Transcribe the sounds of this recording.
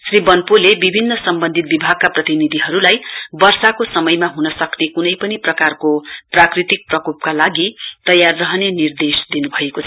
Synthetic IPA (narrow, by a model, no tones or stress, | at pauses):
sribʌnpulebibʱinːʌsʌmbʌnd̪ʱit̪̚bibʱaɡ̚kaprʌt̪inid̪ʱiɦʌɾulajbʌrsakosʌmʌjmaɦunʌsʌknekunʌjpʌniprʌkarkoprakrit̪ik̚prʌkop̚kalaɡit̪ʌjarːʌɦnenird̪esd̪inubʱʌekot͡sʰʌ